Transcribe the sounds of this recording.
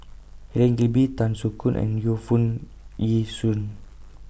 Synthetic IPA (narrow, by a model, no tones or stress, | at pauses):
hɛlɛ̃ŋɡibit̪ãnsukũnʔɛ̰̃njufũn | jisũn